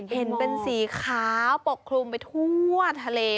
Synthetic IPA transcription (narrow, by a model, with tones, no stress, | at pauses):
he˩˦npe˧nsiː˩˦kʰaː˦˥wpo˨˩kʰːlu˧mpa˧jt̪ʰu˥˩ət̪ʰa˧leː˧